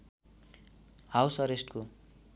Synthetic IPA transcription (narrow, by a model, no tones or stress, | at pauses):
hawsʌɾesʈko